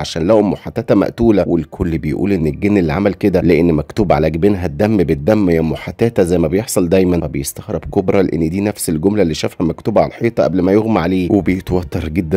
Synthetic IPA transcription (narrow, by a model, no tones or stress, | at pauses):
ʕaʃæːnlæhomːoħat̪ːæːt̪æmæ̰ʔt̪uːlæwelkʰolːbejʔṵːlʔenːelɡenːelʕa̰mælked̪æleʔenːmækt̪uːbʕa̰læɡbenɦæd̪ːæmːbet̪̚ːæmːæjæmːoħat̪ːæːt̪æzæjmæbejeħsˤɑld̪æjmænbejest̪æxɾebkobɾˤɑleʔḛnːd̪iːnæfselɡomlælːiʃæːfhæmækt̪uːbʕa̰læħeːt̪ˤɑʔæblmæjoɣmaʕaleːwebejet̪wɑt̪ːɑɾˤɡed̪ːæ